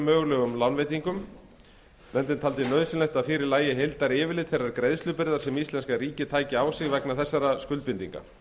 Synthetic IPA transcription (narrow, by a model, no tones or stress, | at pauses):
mœːɣlœɣʏmlawnvejt̪iŋkʏm | nɛnt̪ʏnt̪ʰalt̪ɪnœðsɪnɛjxt̪aðfɪːɾɪɾlaːjɪɦejlt̪aɾɪːvɪlɪt̪θejrːaɾkɾejðst̪lʏpɪɾðaɾ̥sɛmist̪lɛnskaɣɾiːcɪt̪ʰaːjcɪaːwsɪɣvɛknaθɛsːaɾaskʏlt̪pɪnt̪ḭŋka̰